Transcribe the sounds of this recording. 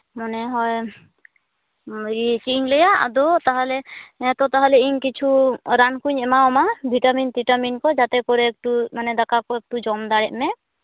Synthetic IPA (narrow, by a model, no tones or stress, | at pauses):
manɛɦɔj | it͡ʃiʔiɲlɛjaʔa̰d̪ɔt̪aɦalɛɛt̪ɔt̪aɦalɛiɲkit͡ʃʰuɾankuɲɛmaɔmabʱiʈamint̪iʈaminkɔd͡ʒat̪ɛkɔɾɛk̚ʈumanɛd̪akakɔɛk̚ʈud͡ʒɔmd̪aɽɛʔ̚mɛ